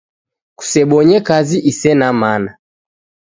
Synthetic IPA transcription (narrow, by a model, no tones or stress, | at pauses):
ku̥sɛɓɔɲɛkaziʔisɛnamana